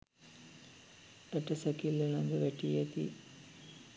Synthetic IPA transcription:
əʈəsəkilːelaɡ̪əʋæʈijet̪ḭ

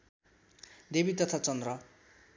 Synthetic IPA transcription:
d̪ebit̪ʌt̪ʰat͡sʌnd̪rʌ

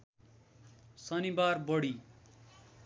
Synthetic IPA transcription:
sʌnibarbʌɽi

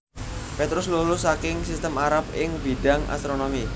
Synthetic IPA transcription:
pet̪ɾʊslolʊsakɪŋsist̪əmaɾap̚ɪŋb̥iɖ̥a̤ŋʔa̰st̪ɾonomi

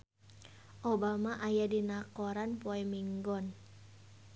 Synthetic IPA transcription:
ʔobamaʔajadinakɔɾanpoɛmiŋɡɔn

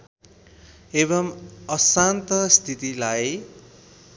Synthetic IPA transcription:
ebʌmʌsant̪ʌst̪ʰit̪ilaj

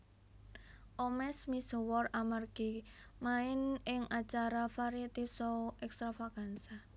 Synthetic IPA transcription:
ʔɔmɛsmisɔwɔramarɡ̥i | maɪnɪŋat͡ʃaɾafaɾit̪isɔʔɛkst̪ɾafakansa

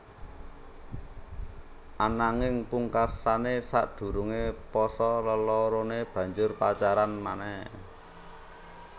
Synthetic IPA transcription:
ʔanaŋɪŋpuŋkasanesa̰ʔd̪̥ṳɾuŋepɔsɔləlɔɾoneb̥ä̤ɲd͡ʒʊrpat͡ʃaɾanmanɛh

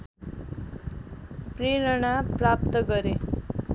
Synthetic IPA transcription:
preɾʌɽ̃aprap̚t̪ʌɡʌɾe

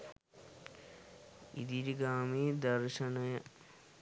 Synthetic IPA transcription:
ḭd̪iɾɡaːmeːd̪ɐɾʂɐnɐjɐ

